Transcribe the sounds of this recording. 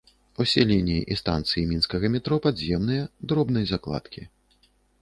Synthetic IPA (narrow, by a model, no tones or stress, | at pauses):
usʲɛlʲinʲijḭʔist̪a̰nt̪sɨjimʲinskɐɣɐmʲɛt̪ɾɔpadzʲzʲjɛmnɨjɐd̪ɾɔbnɨjɐzaklˠa̰t̪kʲi